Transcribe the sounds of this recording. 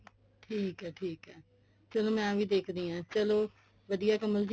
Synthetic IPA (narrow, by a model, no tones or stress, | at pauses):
ʈʰiːkɦɛːʈʰiːkɦɛː | t͡ʃəloːmɛ̃ːʋiːd̪eːkʰd̪iːãːt͡ʃəloː | ʋəd̪ijaːkəməld͡ʒ